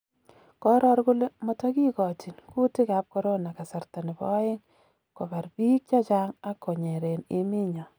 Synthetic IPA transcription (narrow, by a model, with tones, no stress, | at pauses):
kɔ˦ɾɔ˦ɾɡʊ˦lmɔ˨tɔ˦ki˦kɔ˨ti˨nku˦tɪ˦ka˨˦p̚kɔ˦ɾo˦na˨ka˨sa˨ɾta˨nɪ˨bɔ̰˦ɪ˦ŋ | kɔ˨ba˨ɾbi˦k̚t͡ʃɔ˦t͡ʃa˦ŋa˦kːo˨ɲe˨ɾe˨nɪ˦mɪ˦ɲɔ˨